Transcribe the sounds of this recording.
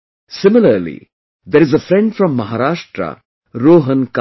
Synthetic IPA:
sɪmɪləɾlḭ | d̪eɾɪzəfɾɛ̃ɳɖfɾɔ̃mːɐɦaːɾaːʃʈɾə̰ | ɾoːɦə̃nk

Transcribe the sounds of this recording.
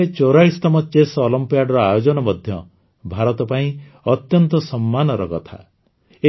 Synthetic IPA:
et͡ʃoɾaist̪ɔmɔt͡ʃesɔlɔmpijaɖɾɔajod͡ʒɔnɔmɔd̪ʱjɔ̰ | bʱaɾɔt̪ɔpaĩ | ɔt̪jɔnt̪ɔsɔmːanɔɾɔkɔt̪ʰa̰ | e

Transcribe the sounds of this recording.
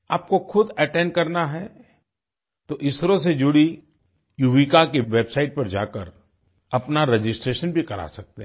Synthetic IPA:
aːp̚koxʰʊd̪ɐʈɛ̃nɖkɐɾnaɦɛ | t̪oʔɪsɾõsed͡ʒʊɽi | juːʋikakeʋeːbsaɪʈ̚pɐɾd͡ʒa̰ːkəɾ | ɐpnaɾed͡ʒɪsʈɾeːʃənbʱikɐɾa̰sɐk̚t̪e

